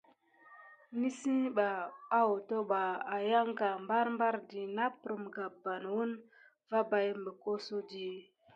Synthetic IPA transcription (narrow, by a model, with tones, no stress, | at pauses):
ni˦si˦ɓaː˨˦wo˨to˦ɓa˨a˨ja˦ŋɡa˨mba˦ɾmba˦ɾdi˨na˦pɾu˨mɡa˨ba˨nwu˦n | va˦ba˨jmbə˨ko˦so˦di˨